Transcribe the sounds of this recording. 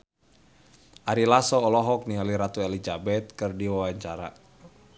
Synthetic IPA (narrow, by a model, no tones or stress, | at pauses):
ʔaɾilasɔːlɔɦɔk̚nialiɾat̪uɛlid͡ʒabɛt̪̚kɨrdiwawaɲt͡ʃaɾa